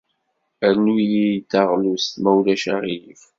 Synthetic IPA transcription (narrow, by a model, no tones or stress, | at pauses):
æɾnujid̪ɑʁlust̪mæwlæʃa̰ʁijif